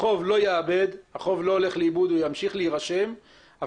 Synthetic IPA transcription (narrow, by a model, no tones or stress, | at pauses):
o̞vlo̞jeabe̞d̪haχo̞vlo̞ole̞χleibud̪ujamʃiχleiʁaʃe̞m | ʔa